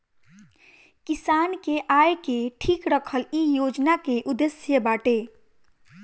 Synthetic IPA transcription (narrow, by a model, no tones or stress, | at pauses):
kisankeʔajkeʈʰikɾəkʰəlijod͡ʒnakeʔud̪esjəbaʈe